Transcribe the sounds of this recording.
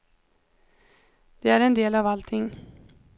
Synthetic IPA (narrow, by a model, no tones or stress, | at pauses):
d̪̥ɛæɾɛnd̪eːlavalt̪ʰɪŋː